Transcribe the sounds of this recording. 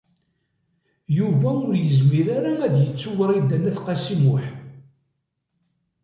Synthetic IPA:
juvæʊɾjəzmiɾaɾaæd̪jət͡sːuwəɾˤid̪ːænːæθqɑsimʊħ

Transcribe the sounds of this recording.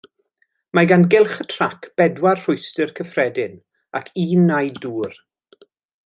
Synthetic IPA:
maɡanɡɪlˠχətʰrakʰb̥ɛdwarr̥ʊjstɨrkʰəfrɛdɪn | akʰiːnːajduːr

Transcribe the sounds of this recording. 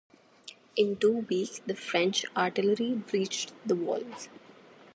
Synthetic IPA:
ɪ̃nʈuːʋiːksd̪əfɾɛ̃nt͡ʃaːɾʈɪləɾibɾiːt͡ʃʈd̪əʋɔ̰ːlz̥

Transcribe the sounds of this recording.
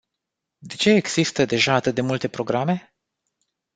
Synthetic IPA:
d̪e̞t͡ʃe̞ːɡz̥ist̪əd̪e̞ʒaːt̪ɨt̪̚d̪e̞mult̪e̞pɾo̞ɡɾame̞

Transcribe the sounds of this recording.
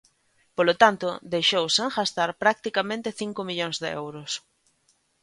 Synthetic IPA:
polot̪ant̪ʊd̪ejʃowsaŋxast̪aɾpɾak̚t̪ikamẽnt̪ɪθiŋkʊmiʎoŋzðeɛ̰wɾʊs

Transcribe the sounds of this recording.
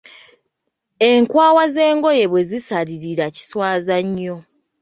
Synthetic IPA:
eŋkwaːwaze̞ːŋɡo̞je̞βwe̞zisaliɾiɾaci̥swaːzaɲːo̞

